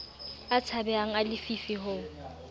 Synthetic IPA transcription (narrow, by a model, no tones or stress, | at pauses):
at͡sʰabɛaŋ̩alɪfifiɦʊ